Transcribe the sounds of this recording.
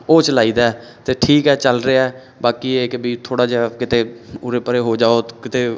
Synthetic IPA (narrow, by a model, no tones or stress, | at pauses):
oːt͡ʃəlaːiːd̪aːɛː | t̪eːʈʰiːkɦɛːt͡ʃəlɾeɛː | baːkiːeːkebiːt̪ʰoːɽaːd͡ʒekɪt̪eːʊɾeːpəɾeːɦoːd͡ʒaːoːkɪt̪eː